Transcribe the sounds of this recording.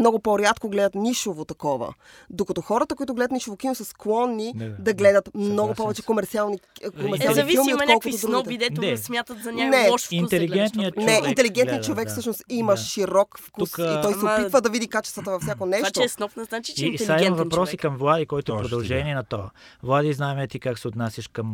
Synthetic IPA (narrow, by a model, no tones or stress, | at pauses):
mnɔɡopoɾʲjat̪koɡlɛd̪ət̪niʃovot̪ɐkɔvə̰d̪okɐt̪ɔxɔɾət̪əkoit̪ʊɡlɛd̪t̪niʃovokʲinosɐsklˠɔnːid̪ɐɡlɛd̪ət̪mnɔɡopɔvɛt͡ʃɛkomɛɾt̪sialˠnikomɛɾalˠififilˠmiomnʲɔlˠkkoit̪osd̪ɾuɡnɔp̪ɛid̪ɛt̪oɛsmʲjat̪ət̪zɐnʲanɛʃint̪ɛliɡɛnt̪niənɛint̪ɛliɡɛnnjət͡ʃovɛkfsɤʃnost̪imɐʃiɾɔkfkusit̪ɔj̪ɛoppivəd̪ɐvid̪ikat͡ʃɛ̥st̪vət̪əvɐfsʲjakonɛʃʃtt͡ʃ̪osnɔpnəzat͡ʃi̥aimɐvɐpɾɔsikɐmvlˠad̪ikɔjt̪oɛpɾod̪ɐlˠʒɛniɛnɐt̪oɐvlˠad̪iznaɛmɛt̪ikaksɛot̪nasʲəʃkəm